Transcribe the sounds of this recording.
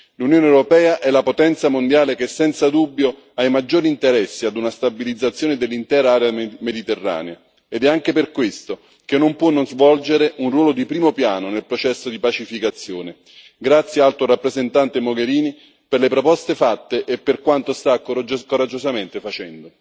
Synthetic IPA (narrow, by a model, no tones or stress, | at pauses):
lunjoːneɛwɾopɛːaʔɛlapot̪ɛnt̪samond̪jaːlek̟esːɛnt̪sad̪ubːjo | ajmad͡ʒːoːɾint̪eɾɛsːiad̪unast̪abilid̪zat̪sːjoːned̪elːint̪ɛːɾaaːɾeamed̪it̪erːa̰ːnea | ed̪ɛaŋk̟eperkwest̪o | k̟enːompwɔnːonzvɔld͡ʒeɾeunrwɔːlod̪ipɾiːmopjaːnonelpɾot͡ʃɛsːod̪ipat͡ʃifikat̪sːjoːne | ɡɾat̪sːjaalt̪oɾapːɾezent̪ant̪emoɡeɾiːni | perlepɾopɔst̪efat̪ːeʔepːerkwant̪ost̪akːod͡ʒkːoɾad͡ʒːozament̪efat͡ʃɛnd̪o